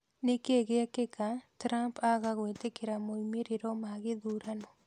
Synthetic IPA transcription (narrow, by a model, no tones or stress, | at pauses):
nekeɡeakɪkatɾampaɡaɡwetekɪɾamoimeɾiɾomaɡɪd̪uɾano